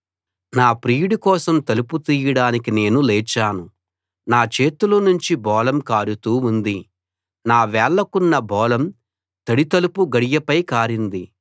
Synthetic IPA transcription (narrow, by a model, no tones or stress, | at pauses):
naːpɾiːɽikɔːsɐmt̪ɐluput̪iːjɐɽaːnikine̞ːnulɛːt͡ʃːaːnu | naːt͡ʃeːt̪ulɐnuɲt͡ʃibɔːlɐmkaːɾut̪uːund̪i | naːʋɛːɭːɐkunːɐbɔːlɐm | t̪ɐɽit̪ɐlupuɡɐɽijɐpɐjkaːɾind̪i